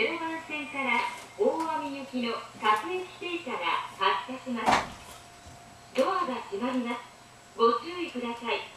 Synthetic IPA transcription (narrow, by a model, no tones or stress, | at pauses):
eɾɯβãɰ̃sẽ̞ŋkaɾaoːβamʲijɯkʲino̞takɯ̟ɾekʲi̥t̪e̞ːtaɡa̰hakaɕimasɨ̥ | d̪o̞aɡaʑimaɾɯ̟na | ɡo̞t͡ɕɨoikɯ̟d̪asai